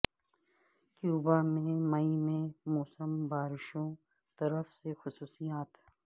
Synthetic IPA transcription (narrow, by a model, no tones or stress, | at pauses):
kjuːbamẽmɐimẽmɔːsəmbaːɾɪʃõ | t̪ɐɾəfsexʊsuːsijaːt̪